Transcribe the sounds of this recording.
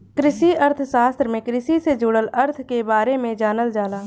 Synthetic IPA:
kɾɪʃiəɾt̪ʰʃaːst̪ɾəmẽkɾɪʃised͡ʒʊɽələɾt̪ʰkebaːɾemẽd͡ʒaːnəld͡ʒaːlaː

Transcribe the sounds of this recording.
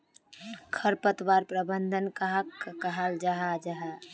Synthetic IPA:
kʰəɾpət̪baɾpɾəbənd̪ʱənkaɦakːkəɦald͡ʒaɦad͡ʒaɦa

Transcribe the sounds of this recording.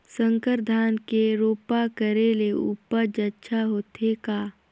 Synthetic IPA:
sə̃ŋkəɾd̪ʱaːnkeɾoːpakəɾeleṵːpəɾd͡ʒəʃʰaɦoːt̪ʰeka

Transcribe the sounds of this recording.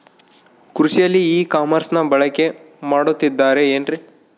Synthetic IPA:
kɾuʂijɐlːiiːkaːmɐɾsnɐbɐɭɐke̞ | maːɽut̪ːid̪ːaːɾe̞eːnɖɾi

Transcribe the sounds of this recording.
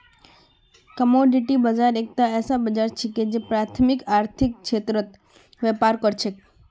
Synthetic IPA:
kəmoɖiʈibəd͡ʒaɾek̚t̪aɛːsabəd͡ʒaɾt͡ʃʰeked͡ʒepɾat̪ʰmɪkaːɾt̪ʰɪk̚kʃet̪ɾət̪ | ʋɛpaɾkəɾt͡ʃʰe

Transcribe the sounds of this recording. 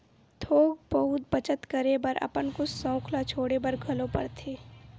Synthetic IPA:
t̪ʰoːɡ̚bɐɦʊt̪̚bət͡ʃət̪kəɾebəɾɐ̰pənkʊssə̃ʊkʰlat͡ʃʰoːɽebɐɾɡʱɐlopɐ̰ɽt̪ʰeː

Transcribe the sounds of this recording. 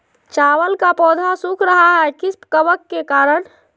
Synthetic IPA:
t͡ʃaːwəlkapɔːd̪ʱasukʰɾəɦaɦɛkɪspkəʋəkːekaːɾəɳ

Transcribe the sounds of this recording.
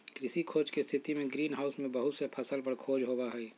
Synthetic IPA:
kɾɪsikʰoːd͡ʒkist̪ʰɪt̪imẽɡɾiːnɦaːʊsmẽbɐɦʊt̪sepʰɐsəlpəɽkʰoːd͡ʒɦoːbaɦɛi

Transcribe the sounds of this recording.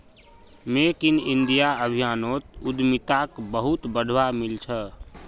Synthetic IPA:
mekinind̪ijaəbʱijaːnot̪ud̪mit̪akbəɦut̪bəd̪ʱwamilt͡ʃʰə

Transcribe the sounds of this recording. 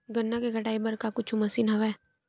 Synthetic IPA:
ɡɐnːakeɡʱɐʈaːebɐɾkakʊt͡ʃʰumɐsiːnɦɐʋɛː

